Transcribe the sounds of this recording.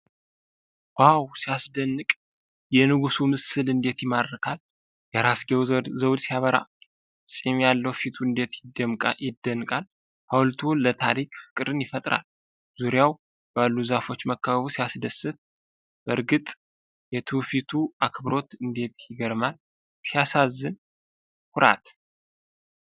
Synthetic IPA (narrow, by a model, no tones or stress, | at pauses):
wawsijasd̪ənːɨkʼ | jɛnɨɡusumɨsɨlɨnd̪e̞t̪jɪmaɾːɨkʰal | jɛɾasɡewzəwd̪sijaβəɾa̰ | sʼimjalːəwfit̪ʰuɨnd̪e̞t̪jɪd̪əmʼjɪd̪ːənːɨkʼal | hawlt̪ʰulət̪ʰaɾikfɨ̥kʼɨɾɨnjɪfət̪ʼɾa̰l | z̥uɾijaw | b̥alːuzafo̞t͡ʃːməkʰːaβaβusijasd̪əsːɨt̪̚ | bəɾɡɨt̪ʼ | jɛt̪ʰɨfit̪ʰuakʰβɨɾo̞t̪ɨnd̪e̞t̪jɪɡəɾmal | sijasazːɨn | hʊɾa̰t̪